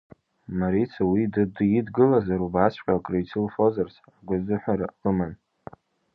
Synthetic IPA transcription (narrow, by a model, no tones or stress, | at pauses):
maɾit͡sʰawidɨdjidɡɨlazaɾubasʰʷqʲʼakʼrajt͡sʰɨlfo̞zarsʰ | aɡʷʊzɨħʷᶣaɾa̰qəman